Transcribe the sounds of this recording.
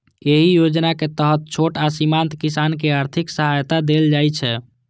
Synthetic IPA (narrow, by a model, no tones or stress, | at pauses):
eɦijod͡ʒnaket̪əɦət̪̚t͡ʃʰoʈasimant̪kisankeaɾt̪ʰiksəɦajt̪ad̪eld͡ʒajt͡ʃʰɛ